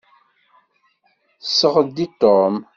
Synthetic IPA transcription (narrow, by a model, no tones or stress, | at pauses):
səʁəd̪it̪om